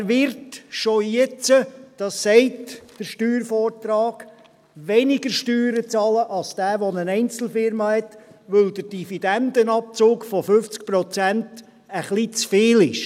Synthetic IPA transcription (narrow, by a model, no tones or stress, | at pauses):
ʋɪɾtʃojɛt͡səd̥ɑsːɛɪtd̥əɾʃtyːɾfɔːrtrɑːɡ̥ | ʋɛnɪɡəɾʃtyːɾət͡sɑləʔɑlsd̥æːʋɔnənɛɪnt͡sl̩fɪɾmɑhɛtʋɵld̪əd̥ifid̥ænd̪ənɑp̚t͡soːkfɔfʏft͡sk̚pɾɔt͡sænt | əχlit͡sfeːlɪʃ